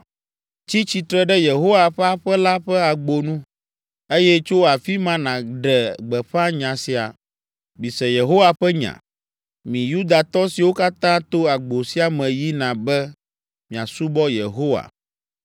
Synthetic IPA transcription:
t͡ɕi˦t͡ɕi˨t̪ɾɛ˦ɖɛ˦je˨ɦo˦wa˨ɸɛ˦a˦ɸɛ˦la˦ɸɛ˦a˨ɡ͡bo˨nũ˦ | e˦jɛ˦t͡ʃo˦a˨fi˦mã˦nã˨ɖɛ˨ɡ͡bɛ˨ɸa˦ɲã˨si˨a̰˨ | bi˨sɛ˨je˨ɦo˦wa˨ɸɛ˦ɲã̰˨ | mĩ˨ju˦d̪a˨t̪ɔ˦si˨wo˦ka˦t̪ã˦t̪o˦a˨ɡ͡bo˨si˦a˨mɛ̃˨ji˦nã˨bɛ˦ | mĩ˨a̰˨su˦bɔ˦jḛ˨ɦo˦wa̰˨

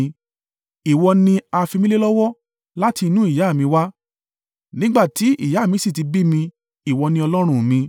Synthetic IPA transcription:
i˨wɔ˧nĩ˧a˧fi˧mĩ˦le˦lɔ˦wɔ˦ | la˦ti˧nũ˦i˦˨ja˨˦˨mĩ˧wa˦ | nĩ˦ɡ͡ba˦˨ti˨˦ḭ˦˨ja˨˦˨mĩ˧˦si˦˨ti˧bi˦mĩ˧ | i˨wɔ˧nĩ˧ɔ˧lɔ˦ɾ̃ũ˦mĩ˧

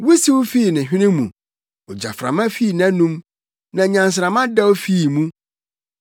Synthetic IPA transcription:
wu˦si˦wu˦fi˦˨nɪ̃˨ɕᶣɪ̃˦nɪ̃˦mṵ̃˨ | ɔ˨d͡ʑa̰˨fɾa̰˨mã˦fi˦˨nã˦nũ˦m | nã˨ɲã˨ns̬ɾa˨mã˦dɛ˦wfi˦˨mũ˦

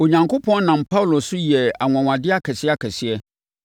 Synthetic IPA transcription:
o˨ɲã˨ŋkʰo˦pʰɔ̃˦n˦nã˨mpʰa˦wlo˨sʊ˦ji˨ɛ˨a˨ŋʷã˨wã˨dɪ˦a˦kʰɛ˨sɪ˦a˦kʰɛ˨sɪ˦ɛ˦

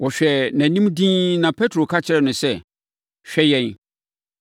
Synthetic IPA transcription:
wɔ˨ɕᶣɛ˨næ̃˨nĩ˦mdĩ˦nã˨pʰɛ˦tʰɾo˨kʰa˦t͡ɕʰɪ˦ɾɛ˦˨nʊ̃˨sɛ˦ | ɕᶣɛ˦jɛ̃˦˨n

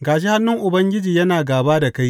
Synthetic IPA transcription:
ɡaː˨ʃ̬e˦ha˦nːʊ˦ŋʔʊ˨bɐ˦ŋɡʲɪ˦d͡ʒiː˨jɐ˦naː˨ɡaː˨baː˦da˨ka˦j

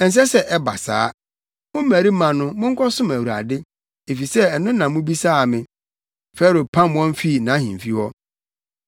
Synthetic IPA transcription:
ɛ˨n̩˨s̬ɛ˦sɛ˦ʔɛ˦ba̰˨sa̰ː˦ | mʊ̃˦m˦mæ˨ɾi˦mã˨nʊ̃˦mʊ̃˦ŋ˦kʰɔ˦sʊ̃˦mæ˨wu˨a̰˨dɪ˦ | e˨fi˨sɛ˦ɛ˨nʊ̃˦nã˨mʊ̃˦bi˦saː˦a˨mɪ̃˨ | fɛ˦ɾo˨pʰã˦mwɔ̃˦m˦fi˦˨nã˨˦hĩ˨m˨fi˦wɔ˦

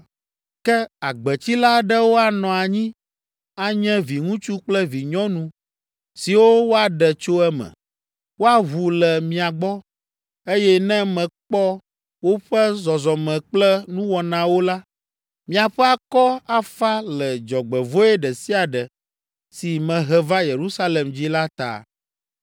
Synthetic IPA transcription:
kɛ˦a˨ɡ͡bɛ˨t͡ɕi˦la˦ɖɛ˦wo˦a˨nɔ̃˨a˨ɲĩ˦ | a˦ɲɛ̃˦vi˨ŋũ˦t͡ʃu˦k͡plɛ˦vi˨ɲɔ̃˦nũ˨ | si˨wo˦wo˦a˨ɖɛ˨t͡ʃo˦ɛ˦mɛ̰̃˨ | wo˦a˦ɦu˨lɛ˨mĩ˨a˨ɡ͡bɔ˦ | e˦jɛ˦nɛ̃˦mɛ̃˨k͡pɔ˦ | wo˦ɸɛ˦zɔ˨zɔ˨mɛ̃˨k͡plɛ˦nũ˦wɔ˨nã˨wo˦la˦ | mĩ˦a˨ɸɛ˦a˨kɔ˦a˦fa˦lɛ˨d͡ʒɔ˨ɡ͡bɛ˨vo˦ɛ˦ɖɛ˨si˦a˨ɖɛ˨ | si˨mɛ̃˨ɦɛ˨va˦je˨ɾu˦sa˦le˨md͡ʑi˦la˦t̪a̰˨

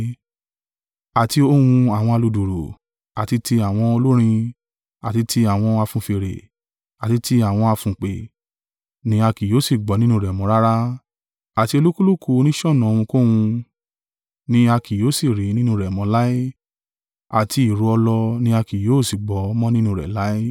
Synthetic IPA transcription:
a˨ti˧o˦wũ˧a˨w̃ɔ̃˧a˧lu˧du˨ɾo˨ | a˨ti˧ti˧a˨w̃ɔ̃˧o˧lo˦ɾ̃ĩ˧ | a˨ti˧tʰi˧a˨w̃ɔ̃˧a˧fũ˧fe˧˨ɾḛ˨ | a˨ti˧ti˧a˨w̃ɔ̃˧a˧fũ˨k͡pe˨ | nĩ˧a˧ki˨jo˨˦si˦˨ɡ͡bɔ˨˦nĩ˦nũ˦˨ɾɛ˨mɔ̃˨˦ɾa˦ɾa˦ | a˨ti˧o˧lu˦ku˦lu˦˨kʰu˦˧˦nĩ˦ʃɔ˦˨nɔ̃˨o˧w̃ũ˧ko˦wũ˧ | nĩ˧a˧ki˨joː˨˦si˦˨ɾi˨˦nĩ˦nũ˧ɾɛ˨mɔ̃˨˧˦la˦i˦ | a˨ti˧i˨ɾu˨˧ɔ˧lɔ˧nĩ˧a˧ki˨joː˨˦˨si˨ɡ͡bɔ˨˦˧mɔ̃˦nĩ˦nũ˧ɾɛ̰˨la˨˦i˦

